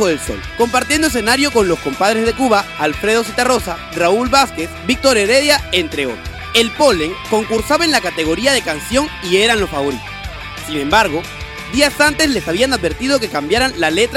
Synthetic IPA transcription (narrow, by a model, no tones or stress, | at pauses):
oðe̞lso̞̰lko̞mpaɾt̪jend̪oes̬e̞naɾjo̞ko̞nlo̞sko̞mpað̞ɾezðe̞kuβaːlfɾe̞ðo̞s̬it̪aro̞sa | raulβaske̞sbik̚t̪o̞ɾe̞ɾeðjaent̪ɾeo̰t̪ase̞lpo̞leŋko̞ŋkuɾsaβaenlakat̪e̞ɣo̞ɾiaðe̞kansjo̞ŋie̞ɾanlo̞sfaβo̞ɾit̪osː | inẽ̞mbaɾɣo̞ | d̪iasant̪e̞sle̞saβianaðbe̞ɾt̪ið̞o̞ke̞kambjaɾanlale̞t̪ɾ